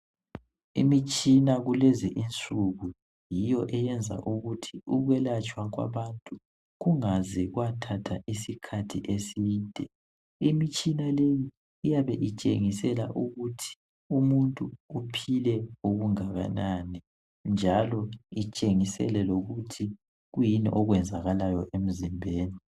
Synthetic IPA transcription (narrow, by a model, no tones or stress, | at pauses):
ḭmit͡ʃʼinaɣulɛzɛʔint͡sʼuɣu | jijɔʔɛjɛnd͡zʱa̰ʔuɣutʰi̥uɣwɛlat͡ʃʼwaɣwa̰βantʼu | ɣuŋazɛɣwatʰatʰaʔisikʰatʰiʔesiːntʼɛ | imit͡ʃʼinalejiː | jaβɛʔit͡ʃʼḛŋisɛla̰ʔuɣutʰi̥ | umuntʼuːpʰilɛoɣuŋaɣa̰nanɛ | nd͡ʒʱalɔit͡ʃʼeŋisɛ̰lɛloɣutʰi | ɣujiniʔɔɣwɛnd͡zʱaɣalajɔʔem̩zimbʱeːni